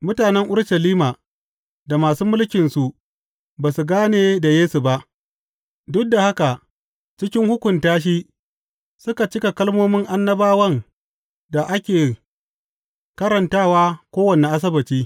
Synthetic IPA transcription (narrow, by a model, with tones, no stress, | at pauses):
mʊ˦taː˨nɛ˦ŋʔʊ˦ɽʃɐ˨liː˦maː˨ | da˨maː˨suː˦mʊ˦lkʲɪ˨nsu˨ʔ | baː˨su˨ɡaː˦neː˨da˨jeː˦su˨ba˦ʔ | dʊ˦k̚da˨ha˦ka˨ | t͡ʃɪ˦kʲɪ˦ŋhʊ˦kʷʊ˨ntaː˦ʃ̬i˦ | sʊ˦ka˨t͡ʃɪ˦ka˨kɐ˦lmoː˦mɪ˦ŋʔa˦nːɐ˦baː˦wɐ˦ŋ | da˨ʔa˦kʲeː˨ | kɐ˦ɾɐ˨ntaː˦˨waː˦kʷoː˦wɐ˨ne˨ʔa˦s̬ɐ˦bɐ˨t͡ʃiː˦